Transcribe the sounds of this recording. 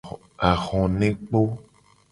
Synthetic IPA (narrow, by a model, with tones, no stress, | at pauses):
a˨xɔ̃˨nẽ˦k͡po˦